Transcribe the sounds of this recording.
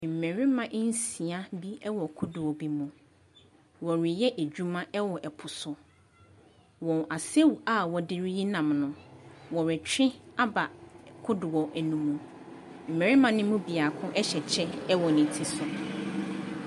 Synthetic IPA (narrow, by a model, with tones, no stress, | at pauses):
m̩˨mɛ̃˨ɾɪ˦mã˨ʔn̩˦si˨a˦bi˦ɛ˦wɔ˨kʰʊ˦dʊ˨wɔ˨bi˦mũ˨ | wɔ˨ɾɪ˨jɛ˦ʔæ˨d͡ʑᶣu˦mã˦ɛ˦wɔ˨ʔɛ˨pʰʊ˨sʊ˨ | wɔ̃˨na˨se˦wu˨a˦wɔ˨dɪ˦ɾi˦ji˦nã˨mnʊ̃˨wɔ˨ɾɪ˨t͡ɕᶣɪ̃˦a˦ba˨kʰʊ˦dʊ˨wɔ˨ʔæ˨nũ˨mũ˨ | m̩˨mɛ̃˨ɾɪ˦mã˨nʊ̃˦mũ˦bi˨a˨kʰʊ̃˦ʔɛ˦ɕɛ˨t͡ɕʰɛ˦ɛ˦wɔ˨nɪ̃˨tʰi˨sʊ˨